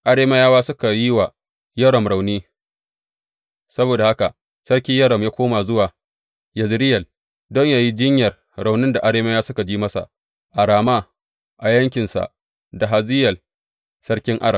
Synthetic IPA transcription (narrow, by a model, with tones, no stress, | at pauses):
ʔa˦ɽeː˦mɐ˦jaː˦waː˦sʊ˦ka˨ji˦wa˨ | jɐ˦ɽɔ˨mɽa˨wniː˦ | sɐ˦boː˨da˨ha˦ka˨ʔ | sɐ˦ɽkʲɪ˦jɐ˦ɽɐ˨mjaː˦kʷoː˦ma˨zʊ˦waː˨ | jɐ˨zɾɪ˦jɐ˨l | dɔ˦ɲjaː˨ji˦d͡ʒɪ˦ɲjɐ˨r | ɾa˨wnɪ˦nda˨ʔa˨ɽeː˦mɐ˦jaː˦sʊ˦ka˨d͡ʒiː˦mɐ˦sa̰˨ | ʔa˨ɽaː˨maː˦ | ʔa˨jɐ˦ŋkʲɪ˨nsa̰˨ʔ | da˨ɦa˨zɪ˦jɐ˨l | sɐ˦ɽkʲɪ˦ŋʔa̰˦ɽɐ˨m